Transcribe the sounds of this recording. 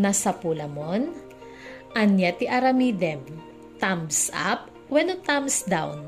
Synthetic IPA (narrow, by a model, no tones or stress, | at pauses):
nasɐpulɐmon | ʔɐnjat̪iʔɐɾɐmid̪ɛm | t̪amsa̰p̚ | wɛnot̪amsd̪awn